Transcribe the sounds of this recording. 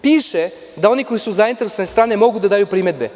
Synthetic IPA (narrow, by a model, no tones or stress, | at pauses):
piːʃɛ | d̪ao̞nikojisuzaint̪eɾesoanest̪ɾaːnemo̞ɡud̪ad̪aːjupɾimed̪̚be